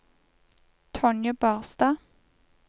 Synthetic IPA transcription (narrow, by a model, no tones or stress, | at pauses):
t̪ʰɔnjəbɑːʁsd̪ɑː